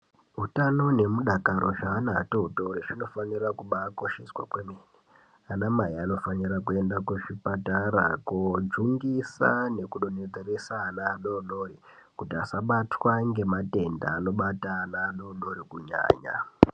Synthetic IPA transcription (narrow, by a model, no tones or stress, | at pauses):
ɦutano̞ne̞muɗakaɾo̞ʐaːnatoutoɾit͡ʃino̞fanirakuɓako̞ʃe̞swa̰kwemeːni | anamaiano̞fanirakue̞ndakeʐipataɾa̰kod͡ʒuŋɡisa̰ne̞kuɗoned͡zeresanaːɗono̞ri | kutiasaɓatwaŋɡe̞mate̞nda̰ːno̞ɓataːnaːɗono̞rikuɲa̰ːɲa̰